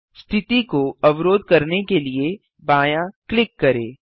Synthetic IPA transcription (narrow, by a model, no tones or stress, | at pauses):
st̪ʰɪt̪ikoɐʋɾoːd̪̚kɐɾnekelie | baːjaklɪkːɐɾeː